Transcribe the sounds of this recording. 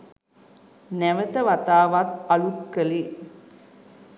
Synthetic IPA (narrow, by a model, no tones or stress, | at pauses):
nɛʋət̪əʋat̪aːʋat̪ɐɭut̪kəli